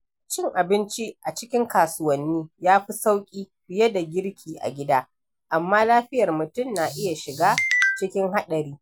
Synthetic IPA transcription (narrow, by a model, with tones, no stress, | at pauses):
t͡ʃɪ˦ŋʔa˨bɪ˦nt͡ʃi˦ʔa˨t͡ʃɪ˦kʲɪ˦ŋkaː˨sʊ˦wɐ˦nːiː˦jaː˦ɸi˦sa˦wkʲʼiː˦ɸɪ˨jɐ˦da˨ɡʲɪ˦ɽkʲʰiː˨ʔa̰˨ɡʲɪ˦daː˦ | ʔa˨mːaː˦laː˦ɸɪ˦jɐ˨rmʊ˨tʊ˦˨nːa˨ʔɪ˦ja˨ʃɪ˨ɡaː˦t͡ʃɪ˦kʲɪ˦ŋɦa˦ɗɐ˨ɾiː˦